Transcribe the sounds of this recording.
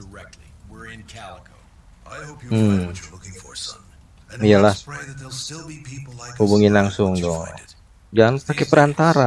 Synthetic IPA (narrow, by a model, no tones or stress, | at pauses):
dəɛk̚tliw̃kʰlko | ahom̩̃ŋ | ijalahtɪlˠpʰihubuŋɪnlaŋsʊŋdɔ | d͡ʒaanpakɛpəɾant̪aɾa